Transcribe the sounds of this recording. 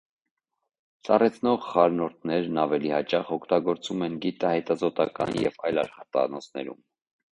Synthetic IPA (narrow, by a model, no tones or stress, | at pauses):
t͡sɑrɛt͡sʰnɔʁχɑɾnɔɾt̪ʰnɛɾnɑvɛlihɑt͡ʃɑʁɔkʰt̪ɑɡɔɾt͡sumɛnɡit̪ɑhɛt̪ɑzɔt̪ɑkɑ̰njɛ̰vɑjlɑʃχɑt̪ɑ̰nɔt͡sʰnɛ̰ɾṵm